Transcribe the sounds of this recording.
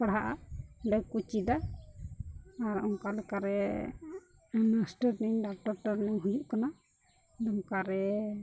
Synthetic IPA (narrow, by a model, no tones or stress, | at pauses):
paɽɦaʔaɖajkut͡ʃid̪a | aɾɔŋkalɛkaɾɛ | nasʈəɾniɲɖak̚ʈɔɾʈɔɾnɛwɦujuʔkana | ɖɔmŋkaɾɛ